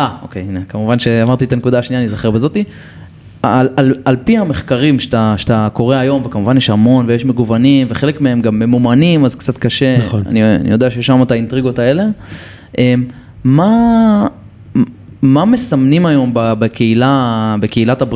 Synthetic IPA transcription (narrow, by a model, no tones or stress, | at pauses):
ʔao̞̰keinekamuvanʃe̞amaʁt̪iet̪anekud̪aːʃniaːnizaχeʁbezo̞t̪i | alalalpiame̞χkaʁimʃet̪aʃe̥t̪ako̞ʁeajo̞mvekamuvanjeʃamo̞nvejeʃme̞ɡuvanimve̞χele̞kmeemɡamemumanimazkt͡sat̪kaʃe̞ona̰nia̰nḭjo̞d̪eaʃejeʃamataint̪ʁiɡo̞tae̞le | ʔem | ma | mame̞samnimajo̞mbabekeilabeke̞ilatab